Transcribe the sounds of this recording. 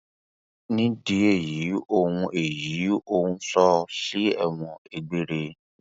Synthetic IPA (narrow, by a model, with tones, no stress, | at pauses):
nĩ˦di˧e˦˨ji˨˦o˦ŋũ˧ʔe˨ji˨˦o˦wũ˦sɔ˦ʃi˦ɛ˨w̃ɔ̃˨e˨ɡ͡be˨ɾe˧